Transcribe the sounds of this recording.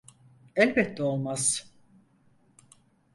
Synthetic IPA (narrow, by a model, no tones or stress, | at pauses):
ɛlʲbɛt̪ːɛo̞lˠmaz̥